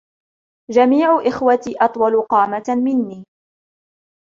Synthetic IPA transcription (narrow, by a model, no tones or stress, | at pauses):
d͡ʒamiːʕʊʔɪxwat̪iːʔɑt̪ˤwɑlʊqɑːmamɪnːiː